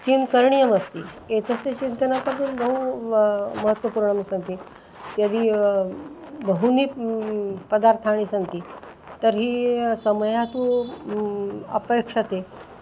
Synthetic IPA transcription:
kimkəɾɳijəməst̪ḭ | et̪ʰəset͡ɕint̪ənapəd̪unbəɦu | məɦət̪ʋəpuɾɳəmsə̃nt̪iː | jad̪iː | bəɦuniː | pəd̪aɾt̪ʰaɽ̃iːsənt̪iː | t̪əɾɦiːsəməjat̪ũ | ə̰pekʂət̪e

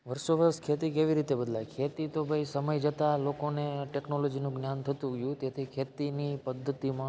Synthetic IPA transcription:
ʋəɾsoʋəɾəskʰet̪ikeʋiɾit̪ebəd̪lakʰet̪it̪obʱəjsəməjd͡ʒət̪alokoneʈeknolod͡ʒinũɡnjant̪ʰət̪ũɡjũt̪et̪ʰikʰet̪inipəd̪ʱːət̪imã

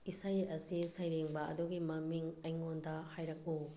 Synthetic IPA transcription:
isajɐsisɐjɾeŋbɐɐ̰duɡimɐmiŋɐjŋondɐhajɾɐk̚u

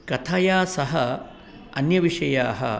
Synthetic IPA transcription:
kɐt̪ʰaːjaːsɐɦɐ | ɐnjɐʋiʂɐjaːɦɐ̰

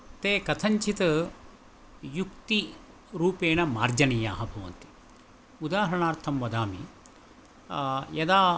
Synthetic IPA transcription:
t̪eːkɐt̪ʰɐɲt͡ʃʰit̪ɐ | jukt̪i | ɾuːpeːnɐmaːɾd͡ʒɐniːjaːɦɐbʱɐʋɐ̰nt̪i̥ | ud̪aːɦɐɳaːɾt̪ʰɐmʋɐd̪aːmḭ | jɐd̪aː

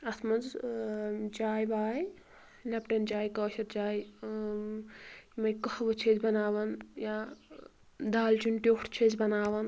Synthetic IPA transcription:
ɐt̪ʰmɐnd͡z | t͡ʃaːjbaːj | lɐpʈʲɐnd͡ʒaːjkɐːʃɐɾt͡ʃaːj | mɐjkɐhʋɐt͡ʃʰed͡ʒbɐnaːʋɐnjaː | d̪aːlt͡ʃunʈʲoːʈʰt͡ʃʰezbɐnaːʋɐn

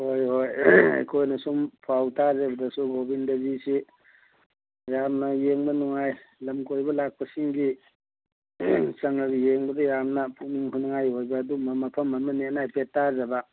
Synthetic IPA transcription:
hojhojḛjkʰojnɐsumpʰawtazɐbɐdɐsuɡobindɐbisi | jamnɐjeŋbɐnuŋajlɐmkojbɐlak̚pɐsiŋɡi | sɐŋɐɡijeŋbɐdɐjamnɐpʰuk̚niŋɦʰunaŋajɦojbɐːdumɐmɐpʰɐmːamɐnenajpʰetːazɐbɐ

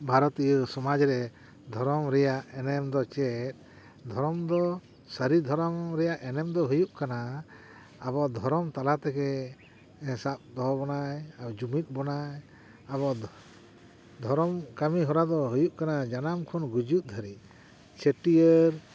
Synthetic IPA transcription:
bʱaɾɔt̪ijəsɔmad͡ʒɾɛ | d̪ʱɔɾɔmɾɛjaʔɛnɛmd̪ɔt͡ʃɛt̪̚ | d̪ʱɔɾɔmd̪ɔ | səɾid̪ʱɔɾɔmɾɛjaʔɛnɛmd̪ɔɦujuʔkanaː | bɔd̪ʱɔɾɔmt̪alat̪ɛkɛ̃ | sap̚d̪ɔɦbɔnajad͡ʒumit̪̚bɔnaj | abɔ | d̪ʱɔɾɔmkamiɦɔɾad̪ɔɦujuʔkanad͡ʒanamkʰɔnɡud͡ʒut̪̚d̪ʱəɾi | t͡ʃʰeʈijəɾ

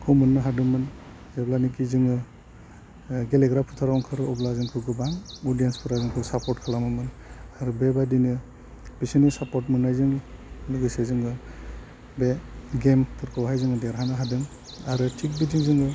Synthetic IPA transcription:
kʰɯmunːɯɦadɯmɯn | eblanik̬izɯŋɯ | ɡeleɡɾapʰutʰaɾawŋkʰɯɾɯɔblazɯŋkʰɯɡɯbaŋɔdijenspʰuɾazɯŋkʰɯsapɔɾtkʰalamɯmɯn | aɾubebadinɯ | b̥isinisapɔtmunajzɯŋluɡɯsezɯŋɡɯ | beɡempʰɯɾkʰɯwɦajzɯŋɯdeɾɦanɯɦadɯŋ | aɾɯtʰik̚bitiŋzɯŋɡɯ

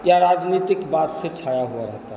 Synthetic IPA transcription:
jaɾad͡ʒnit̪ikbat̪set͡ʃʰajaɦuaɾəɦt̪a

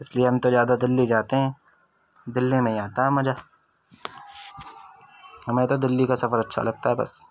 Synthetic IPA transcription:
ɪslieɦɐ̃mt̪ozjaːd̪ad̪ɪlːid͡ʒaːt̪eɦɛ̃ː | d̪ɪlːimẽiaːt̪aɦɛmɐd͡ʒaː | ɦɐmẽt̪od̪ɪlːikasɐfəɾɐtːʃʰa̰lɐɡ̚t̪aɦɛbɐ̰s

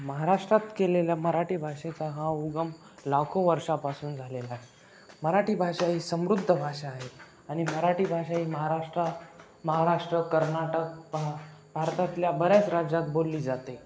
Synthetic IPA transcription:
məɦaɾaʂʈɾat̪keleljaməɾaʈiːbʱaʂet͡saɦãuɡəm | lakʰoʋəɾʂapasuːnd͡zʱalelaɦe | məɾaʈiːbʱaʂaɦiːsəmɾud̪ʱːəbʱaʂaːɦe | añiməɾaʈiːbʱaɕaɦiːməɦaɾaʂʈɾa | məɦaɾaʂʈɾəkəɾnaʈək̚babʱaɾt̪at̪ljabəɾjat͡sɾad͡ʑãt̪̚bolːiːd͡zat̪e

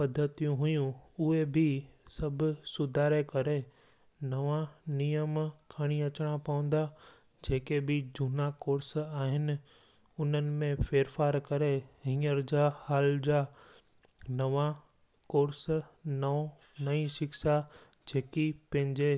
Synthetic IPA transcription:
pɐd̪ʱːət̪ijũɦujũʊɦebʱɪsɐbʱʊ̆sʊd̪ʱaːɾekɐɾe | nɐʋãnijəmkʰaɽ̃iɐt͡ɕɽ̃ãpɐʋə̃n̆d̪a | d͡ʑeːkebʱɪd͡ʑʊnakoːɾsaːɦɪnɪ̆ | ʊnənɪ̆mẽfeːɾfaːɾkɐɾeɦĩːəɾd͡ʑaːhaːld͡ʑaː | nɐʋã | koːɾsnɐo | nɐĩʃɪksa | d͡ʑeːkipɐ̃ɦɪ̃ɲd͡ʑe

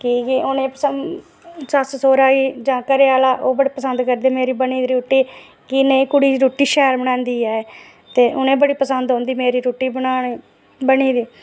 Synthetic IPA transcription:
kɪkːʊnẽːpəsə | səssoːɾaːiːd͡ʒãːkəɾeːaːlaːʔoːbəɽiːpəsənd̪kəɾd̪eːmeːɾiːbəɳiːd̪iɾuːʈːiː | kɪneĩːkʊɽiːɾuːʈiːʃɛːɾbəɽãːnd̪iːɛːeː | t̪eːʔʊnẽːbəɽiːpəsənd̪ɦõːnd̪iːmeːɾiːɾuːʈːiːbənaːiː | bəɳiːd̪iː

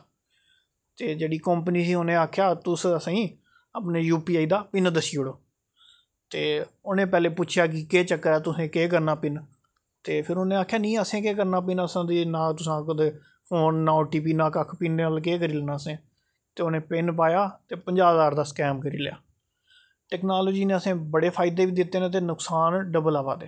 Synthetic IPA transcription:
t̪eːd͡ʒeːɽiːkəmpniːsiːoːnẽːaːkʰːjaːt̪ʊsəsĩː | əpneːjuːpiːaːiːd̪aːpɪnd̪əsiːʊɽoː | t̪eːoːnẽːpɛːleːpʊːt͡ʃʰjaːk̬ɪkeːt͡ʃəkːəɾɛːt̪ʊsẽːkeːk̬əɾnaːpɪn | t̪eːpʰɪɾoːnẽːaːkʰjaːnĩːəsẽːkeːkəɾnaːp̬inəsãːd̪iːnãːt̪ʊsãːkəd̪eː | pʰoːnːãːʈiːp̬iːnãːkəkʰpiːneəlk̬eːk̬əɾiːleːnaːəsẽː | t̪eːoːnẽːpɪnpaːjaːt̪eːpəɲd͡ʒaːzaːɾd̪aːskɛːmkəɾḭːlja̰ː | ʈɛːknaːloːd͡ʒiːneːəsẽːbəɽeːpʰaːɪd̪eːʋiːd̪ɪt̪ːeːnẽːt̪̬eːnʊksaːnɖəbəlaːʋa̰ːd̪eː

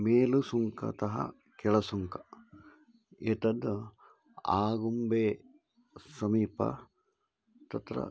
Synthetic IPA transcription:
meːlusuŋkɐ̰t̪ɐɦɐ̰ | keɭɐsuŋkɐ | et̪ɐd̪ | aːɡumbeː | sɐmiːpɐ̰ | t̪ɐt̪ɾɐ̰

